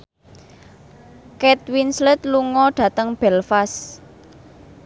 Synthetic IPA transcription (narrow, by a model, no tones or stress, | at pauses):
kɛt̪̚winslɪt̪luŋɔɖ̥ä̤t̪əŋb̥ɛlfas